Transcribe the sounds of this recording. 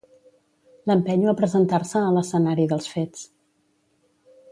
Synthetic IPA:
ləmpɛɲapɾəzənt̪aɾsəːləsənaɾiðəlˠsfet͡s

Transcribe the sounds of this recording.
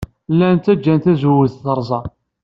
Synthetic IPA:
lːænt̪æd͡ʒːænt̪æzuwəθθəɾˤzˤɑ

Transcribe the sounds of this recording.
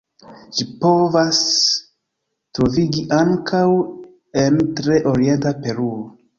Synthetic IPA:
ʃipo̞vas | tɾoviɡiʔaŋkʰaw | e̞ntɾe̞ʔoɾie̞ntape̞ɾuo

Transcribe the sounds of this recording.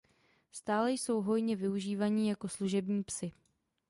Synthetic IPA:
st̪aːlɛjso̞wɦo̞jɲɛvɪuʒiːvaɲɪjako̞sluʒɛbɲiːpsɪ

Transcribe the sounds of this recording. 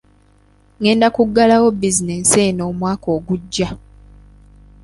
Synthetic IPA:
ŋe̞ːndakuɡːalawo̞bizineseno̞ːmwaːkoːɡuɟːa

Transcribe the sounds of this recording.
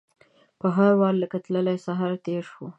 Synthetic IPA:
pəɦaɾwɑlːəkət̪ləlajsaɦɑɾt̪eɾʃwu

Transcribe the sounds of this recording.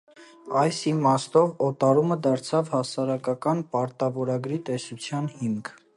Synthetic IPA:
ɑjsimɑst̪ɔvɔt̪ɑɾuməd̪ɑɾt͡sʰɑvhɑsɑɾɑkɑkɑnpɑɾt̪ɑvɔɾɑɡɾit̪ɛsut͡sʰjɑnhimkʰ

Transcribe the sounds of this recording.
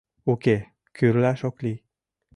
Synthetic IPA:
oke | kʰyɾlæʃokli

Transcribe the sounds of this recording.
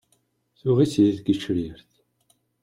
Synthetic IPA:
θuʁisiθɡit͡ʃɾiɾθ

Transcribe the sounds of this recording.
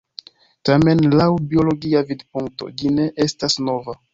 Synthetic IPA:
tame̞nlawbio̞lo̞ɡiavidpuŋk̚to̞̰d͡ʒine̞ʔe̞stasno̞va

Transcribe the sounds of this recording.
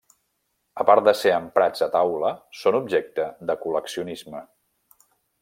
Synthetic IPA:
əpaɾt̪̚d̪əseəmpɾad͡zət̪awləsonub̚ʒek̚t̪əd̪əkuləksiunizmə

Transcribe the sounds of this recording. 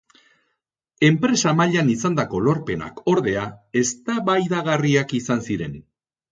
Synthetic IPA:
e̞mpɾe̞samaʎanisand̪ako̞lo̞ɾpe̞na̰kʰo̞ɾðe̞ae̞st̪aβajðaɣariakisansiɾe̞n

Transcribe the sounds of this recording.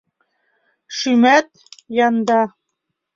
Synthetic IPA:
ʃymæt̪̚ | jɑnd̪ɑ

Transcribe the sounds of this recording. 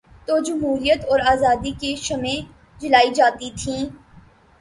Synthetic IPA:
t̪oːd͡ʒɐmɦuːɾijət̪ɔːɾaːzaːd̪ikeʃɐmẽ | d͡ʒɪlaːid͡ʒaːt̪it̪ʰĩː

